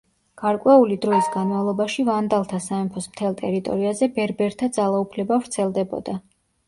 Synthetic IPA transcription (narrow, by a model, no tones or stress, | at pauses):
ɡ̥aɾkʼwɛulid̪ɾɔisɡanmavlˠɔbaʃivand̪alˠt̪ʰasaɛmpʰɔsmt̪ʰɛlˠt̪ʼɛɾit̪ʼɔ̰ɾiazɛbɛɾbɛɾt̪ʰad̪zalˠaupʰlɛbavɾt̪sʰɛlˠd̪ɛbɔ̰d̪a